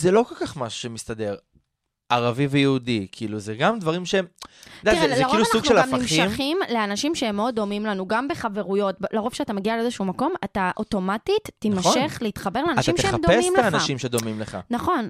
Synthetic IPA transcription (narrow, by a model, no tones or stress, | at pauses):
zelo̞ko̞lkaχmaʃu̥ʃemist̪ade̞ʁ | ʔaʁavivejeudikʰiiːluzeɡamdvaʁimʃedajizezeaʁkiiluasauɡʃʃelaafmnaimʃiammχimleanaʃimʃeemeodːo̞mimlanuɡambeχave̞ʁujo̞t̚blaʁov̥ʃeatameɡialeezeʃuumako̞mataʔo̞to̞matitːinmaʃe̞χleit̪χabe̞ʁleanatʃaimʃeeead̪oessimtaanaʃʃimʃed̪o̞mimleχa̰naχo̞n